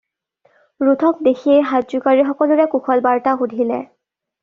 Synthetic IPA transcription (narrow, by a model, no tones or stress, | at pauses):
ɹutʰɔk̚dexiejɦazukaɹixɔkɔlʊɹɛkuxʰɔlbaɹtaxudʱilɛ̰